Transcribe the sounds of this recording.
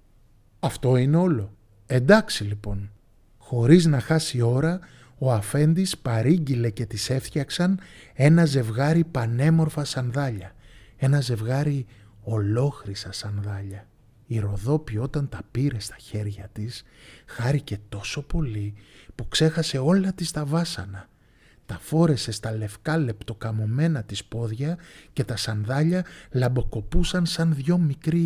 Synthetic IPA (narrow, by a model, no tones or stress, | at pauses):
ɐft̪o̞ine̞o̞lo̞ | e̞nd̪ɐksilipo̞n | xo̞ɾiznɐxɐsio̞ɾɐ | o̞ɐfe̞nd̪ispɐɾiɲɟile̞ce̞t̪ise̞ft̪çɐksɐne̞nɐze̞vɣɐɾipɐne̞mo̞ɾfɐsɐnðɐʎɐe̞nɐze̞vɣɐɾi | o̞lo̞xɾisɐsɐnðɐʎɐ | iɾo̞ðo̞pio̞t̪ɐnt̪ɐpiɾe̞st̪ɐ̥çe̞ɾʝɐt̪isxɐɾice̞t̪o̞so̞po̞lipukse̞xɐse̞o̞lɐt̪ist̪ɐvɐsɐ̰nɐ | t̪ɐfo̞ɾe̞se̞st̪ɐle̞fkɐle̞pt̪o̞kɐmo̞me̞nɐt̪ispo̞ðʝɐce̞t̪ɐsɐnðɐʎɐlɐmbo̞ko̞pusɐnsɐnðʝo̞mikɾi